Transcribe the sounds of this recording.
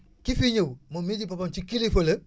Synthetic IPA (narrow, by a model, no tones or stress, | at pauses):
kifiɲəwmomid͡ʒipapamt͡ʃikilifələ